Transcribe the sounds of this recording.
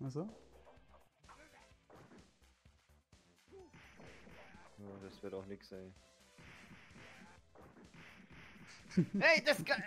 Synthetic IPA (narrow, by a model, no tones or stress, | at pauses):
ʔasoː | jaːd̥asv̥ɪɐtaʊxnɪksz̥aɪn | ɛɪdasɡ